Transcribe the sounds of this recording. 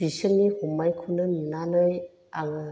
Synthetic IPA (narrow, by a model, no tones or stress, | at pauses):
isənːihumajkʰunɯninanɯj | aŋɯ